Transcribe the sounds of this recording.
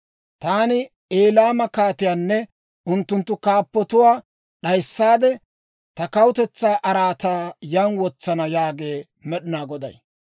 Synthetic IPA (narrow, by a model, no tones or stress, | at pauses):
t̪aːnɪ | eːlaːmɐkaːt̪ɪjaːnːɛ | ʔʊnt̪ːʊnt̪ːʊkaːpːɔt̪ʊwaː | ɗɐjsːaːd̪ɛ | t̪ɐkɐwʊt̪ɛt͡sːaːʔɐɾaːt̪aːjɐnwɔt͡sːɐnɐjaːɡe̞ː | mɛɗɪnaːɡɔd̪ɐ̰j